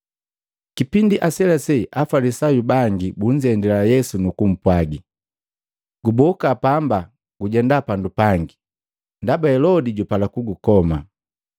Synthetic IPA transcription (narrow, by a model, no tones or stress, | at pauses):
kipindiʔasɛlasɛʔafalisajubaŋɡibuɲ̩d͡ʒɛndɛlajɛsunukum̩pwaɡi | ɡ̥ubɔkapamba | ɡ̥uɟɛndapandupaŋɡi | ndabahɛlɔdiɟupalakuɡukɔma